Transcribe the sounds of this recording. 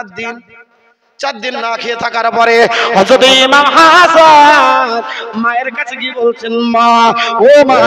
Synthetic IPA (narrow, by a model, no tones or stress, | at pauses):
d̪in | t͡ʃad̪inːakʰiet̪ʰakaɾpɔɾeɦɔd͡ʒod̪imamɦasa | maeɾkat͡ʃʰeɡibolt͡ʃʰenmaoma